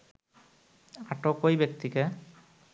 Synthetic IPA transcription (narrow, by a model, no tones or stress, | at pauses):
aʈokojbek̚t̪ike